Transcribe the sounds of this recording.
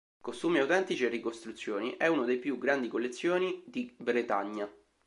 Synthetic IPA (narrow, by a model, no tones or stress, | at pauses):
kost̪uːmiawt̪ɛnt̪it͡ʃierːikost̪ɾut̪sːjoːniʔɛunad̪ejpjuɡɾand̪ikolːet̪sːjoːnid̪ibɾet̪aɲːa